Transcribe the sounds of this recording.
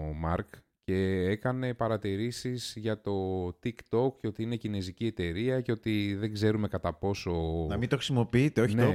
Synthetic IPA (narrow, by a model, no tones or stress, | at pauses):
mɐɾk | ce̞ekɐne̞pɐɾɐt̪iɾisiz̥ʝɐt̪o̞t̪ikt̪o̞kco̞t̪iine̞cine̞zicie̞t̪e̞ɾiɐce̞o̞t̪iðeɡze̞ɾume̞kɐt̪ɐpo̞so̞nɐmint̪oxɾisimo̞piit̪eoçine